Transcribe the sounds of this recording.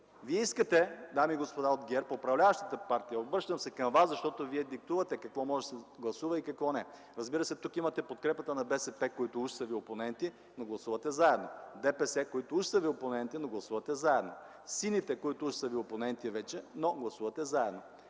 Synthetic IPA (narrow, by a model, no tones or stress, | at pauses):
viɛiskət̪ɛd̪amiːɡospod̪aod̪ɡʲɛɾpoːpɾɐvlʲavɐʃt̪ə̥t̪əpaɾt̪ijəobɾɤʃt̪əmsɛkɐmvaszɐʃt̪ɔt̪oviɛd̪ik̚t̪uvɐt̪ɛkɐkvɔmɔʒɛsɛɡlˠɐsuvɐikɐkvɔnɛ | ɾɐzbiɾɐsɛt̪ukimɐt̪ɛpot̪̚kɾɛpət̪ənɐbɛsɛpɛkoit̪ʊuʃsɐvioponɛnt̪i | noɡlˠɐsuvɐt̪ɛzaɛd̪nod̪ɛpɛsɛkoit̪oʊuʃsəvioponɛnt̪inoɡlˠɐsuvɐt̪ɛzaɛd̪no | sinit̪ɛkoit̪ʊuʃsɐvioponɛnt̪ivɛt͡ʃɛnoɡlˠɐsuvɐt̪ɛzaɛd̪no